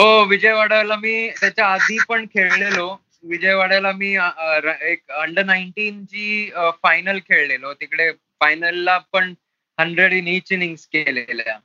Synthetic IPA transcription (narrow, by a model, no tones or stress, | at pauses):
ɦoʋid͡ʑəjʋaɽalamiːt̪jat͡ɕjaːd̪ʱiːpəɳkʰeɭlelo | ʋid͡ʑəjʋaɽalamiːɾekəɳɖənaiɳʈiːnt͡ɕiːfajnəlkʰeɭlelot̪ikɽe | fajnəlːapəɳ | həɳɖɾeɽinit͡ɕniŋskelelja̰